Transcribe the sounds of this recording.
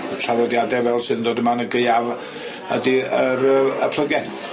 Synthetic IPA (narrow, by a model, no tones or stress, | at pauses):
rʰaðˠɔdjadɛvɛlˠsɨðndoːdəmanəɡəɨav | ə̰diəɾəə̰pʰlˠəɡɛn